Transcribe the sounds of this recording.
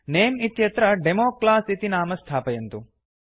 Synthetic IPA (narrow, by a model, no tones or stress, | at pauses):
neːmit̪jɐt̪ɾɐɖemoːklaːsit̪inaːmɐst̪ʰaːpɐjɐnt̪u